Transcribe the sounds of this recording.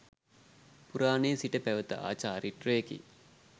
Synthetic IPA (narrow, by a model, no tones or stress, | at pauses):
puɾaːneːsiʈəpæʋət̪ə̰a̰ːt͡ʃaːɾiʈreekḭ